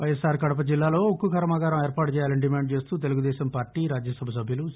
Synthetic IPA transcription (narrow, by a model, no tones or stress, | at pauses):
ʋɐjɐsaːɾkɐɽɐp̬ɐd͡ʒilːaːlo̞ːokːukʰɐɾɐmaːɡaːɾɐmeːɾpaːʈut͡ʃɛːjaːlɐniɖimaːɳɖ̚t͡ʃe̞ːst̪uːt̪e̞luɡud̪ɛːɕɐmpaːɾʈːiːɾaːd͡ʒjɐsɐbʱɐs̬ɐbʱjɐlu